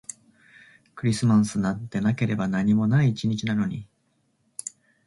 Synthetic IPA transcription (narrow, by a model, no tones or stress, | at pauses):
kɯ̟ɾʲisɨmãɰ̃sɨnat̪ːe̞nake̞ɾe̞banaɲ̟imo̞naiːt͡ɕiɲ̟it͡ɕinano̞ɲ̟i